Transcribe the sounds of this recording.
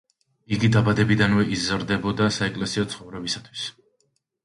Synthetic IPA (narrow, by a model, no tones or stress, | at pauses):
iɡid̪abad̪ɛbid̪anvɛʔizɾd̪ɛbɔd̪asaɛkʼlɛsiɔt̪sʰχɔvɾɛbisat̪ʰw̥i̥s